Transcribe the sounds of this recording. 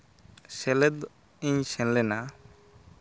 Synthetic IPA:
sɛlɛd̪ | iɲsɛ̃nlɛna

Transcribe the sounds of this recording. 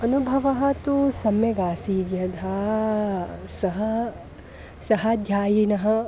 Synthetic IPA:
ɐnubʱɐʋɐɦɐ̆t̪usɐmjɐɡaːsiːd͡ʒjɐd̪ʱaː | sɐɦɐ | sɐɦɐd̪ʱjaːjinɐɦɐ̆

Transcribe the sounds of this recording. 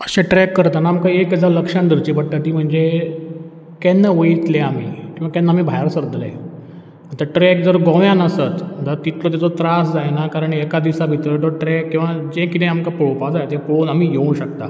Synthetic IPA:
əɕẽʈɾɛkːəɾt̪anaːmkaekəd͡zaləkʂãnd̪əɾt͡ɕiːpəɽʈat̪iːm̤əɳd͡ze | kɛnːaʋəjit̪leam̤ḭːkĩʋakɛnːam̤ibʱajɾsəɾd̪ʱlḛ | m̤əɳt̪əɾʈɾɛk̚d͡zəɾɡɔ̃ʋjãnəsət̪d̪əɾt̪it̪lot̪et͡sot̪ɾasd͡zajnakaɾəɳɛkad̪iʋsabʱit̪ɾət̪əʈɾɛkːĩw̃ʋad͡ʑẽkit̪ẽamkapɭopad͡zajt̪ẽpɭonam̤iːjẽɕək̚t̪a̰

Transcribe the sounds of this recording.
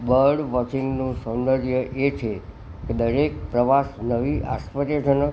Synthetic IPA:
bəɾɖʋɔt͡ʃiŋɡnũsənd̪əɾjəʔet͡ʃʰe | ked̪əɾek̚pɾəʋasnəʋiʔa̰spəɾjəd͡ʒʰənə

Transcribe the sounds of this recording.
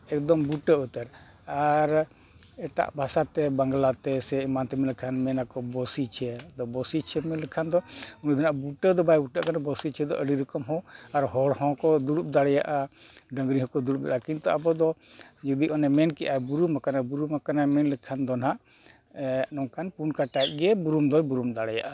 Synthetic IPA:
ɛk̚d̪ɔmbuʈəut̪əɾ | aɾ | ɛʈa̰ʔbʱasat̪ɛbaŋɡlat̪ɛsɛimant̪ɛmɛlɛkʰanmɛnakɔbɔsit͡ʃʰɛd̪ɔbɔsit͡ʃʰɛmɛnlɛkʰand̪ɔunud̪ʱinaʔbuʈəd̪ɔbajbuʈaʔkanabɔsit͡ʃʰɛd̪ɔ̰ʔəɽiɾəkɔmɦɔ̃aɾɦɔɽhɔ̃kɔd̪uɾup̚d̪aɽɛja̰ʔaɖəŋɡɾiɦɔ̃kɔd̪uɾup̚d̪aʔakint̪ɔabɔd̪ɔ | d͡ʒud̪iʔɔnɛmɛnkɛʔabuɾumakanabuɾumakanamɛnlɛkʰand̪ɔnɦaʔ | ʔnɔŋkanpunkaʈajt̪̚ɡɛbuɾumd̪ɔjbuɾumd̪aɽɛja̰ʔa

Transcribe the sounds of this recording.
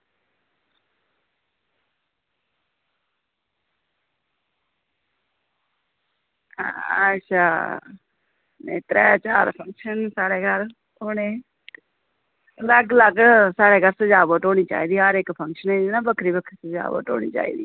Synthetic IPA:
əʃʰaː | net̪ɾɛːt͡ʃaːɾpʰə̃ŋkʃənsaːɽeːɡʱəɾ | ʊne | ləɡləɡsaːɽeːɡʱəɾsəd͡ʒaːboʈoːɽ̃iːt͡ʃa̰ːiːd̪iːɦaɾekpʰə̃ŋkʃənẽːd͡ʒiːnaːbəkʰɾiːbəkʰɾisəd͡ʒa̰ːʋo̰ʈo̰ːɽ̃ḭːt͡ʃa̰ːḭːd̪iː

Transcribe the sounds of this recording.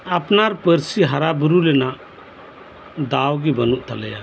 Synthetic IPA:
apnaɾpəɾsiɦaɾabuɾulɛnaʔ | d̪awɡibənuʔt̪alɛja̰

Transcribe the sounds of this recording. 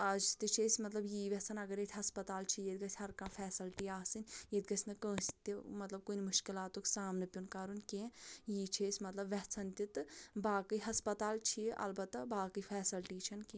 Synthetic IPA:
ɐd͡ʒt̪ɨt͡ʃʰesʲmɐt̪lɐbjiːʋʲɐɦt͡sʰɐnɐɡɐɾet̪ʰʲɦɐspɐt̪aːlt͡ʃʰijet̪̚ɡɐsʰʲɦɐɾkɐmfʰɛːsɐlʈiaːsɨnʲjet̪ɡɐsʲʰnɐkə̃ːst̪imɐt̪lɐb̚koːnimuʃkilaːt̪oksaːmnɨpʲunkaːɾunʲkẽːjiːt͡ʃʰesʲmɐt̪lɐbʋɐɦt͡sʰɐnt̪it̪baːkɨɦɐspɐt̪aːlt͡ʃʰiʔɐ̰lbɐt̪ːɐbaːkɨfʰɛːsɐlʈiːt͡ʃʰɐnkẽː

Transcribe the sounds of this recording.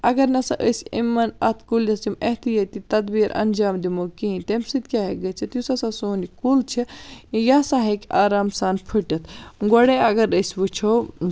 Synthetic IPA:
ɐɡɐɾnɐsɐ̃ʔəsimːɐnɐt̪ʰkuljɐst͡ʃimɐɦt̪ijɐt̪it̪ɐd̪biːɾɐ̰nd͡ʒaːmd̪imokĩnt̪emsid̪kʲaɦeɡɐt͡ʃʰit̪jusɐsɐsoːnikult͡ʃʰijasaɦekaːɾaːmsaːnpʰɨʈɐt̪ʰɡoɽeɐɡɐɾəsbut͡ʃʰo

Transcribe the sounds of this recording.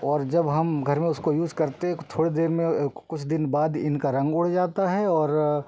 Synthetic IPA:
ɔːɾd͡ʒɐbɦɐmɡʱɐɾmẽʊskojuːd͡ʒkɐɾt̪eɦɛ̃t̪ʰoːɽed̪eːɾmẽkʊt͡ʃʰd̪ɪnbaːd̪ɪnkaɾɐ̃ŋɡʊɽ̤d͡ʒaːt̪aɦɛɔːɾ

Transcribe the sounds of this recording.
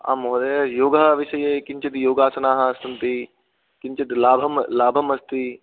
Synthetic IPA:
a̰ːmɦoːd̪ejoːɡɐʋɪʃɐjeːkɪɲt͡ʃit̪joːɡaːsɐnaːɦɐsɐnt̪i | kɪɲt͡ʃɐt̪laːbʱɐmlaːbʱɐmɐst̪i

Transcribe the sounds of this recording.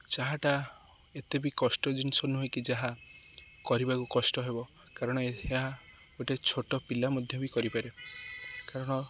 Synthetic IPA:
t͡ʃaɦaʈa | et̪ebikɔsʈɔd͡ʒinsɔnuɦojkid͡ʒaɦa | kɔɾibakukɔsʈɔɦebɔ | kaɾɔɽ̃ɔeeɦa | oʈet͡ʃʰoʈɔpilamɔd̪ʱjɔbikɔɾipaɾe | kaɾɔɽ̃ɔ

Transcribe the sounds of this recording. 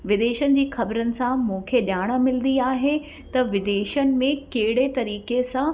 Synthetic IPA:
ʋɪd̪eːʃənɪ̆d͡ʑiːxɐbɾənɪ̆sãmũːkʰeɗjaːɽ̃əmɪlnd̪iaːɦe | t̪ɐʋɪd̪eːʃənɪ̆mẽkɐɦɪɽet̪ɐɾiːkesã

